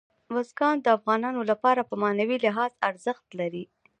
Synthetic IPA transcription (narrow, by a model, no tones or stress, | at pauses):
wazɡɑnd̪əafɣɑnɑnolapɑɾapəmɑnawilɪɦɑza̰ɾzəxt̪laɾi